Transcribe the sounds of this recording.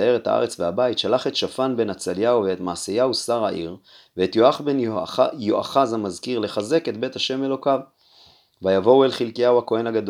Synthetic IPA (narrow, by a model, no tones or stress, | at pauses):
ae̞ʁet̪ha̰ʔa̰ʁe̞t͡sveabait̪ʃalaχe̞t̪ʃafanbe̞nat͡saljawveet̪maːsejausaʁaʔiʁveːt̪joaχbe̞njoʔaχazamazkiʁle̞χaze̞ke̞t̪be̞t̪haʃe̞me̞lo̞kav | vajavo̞welχilkijawhako̞e̞naɡad̪o